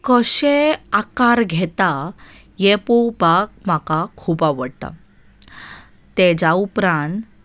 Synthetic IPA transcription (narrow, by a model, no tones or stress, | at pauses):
kəɕeakaɾɡʱɛt̪a | jepobak̚m̤akakʰuːpaʋəɽt̪a̰ | t̪ːed͡ʑaupɾãnt̪